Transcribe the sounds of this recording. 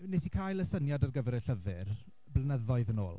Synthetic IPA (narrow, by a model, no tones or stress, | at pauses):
nesikʰajlˠəsənjadarɡəvɛɾəɬəvɪr | blənəðɔɨðəno̰ːlˠ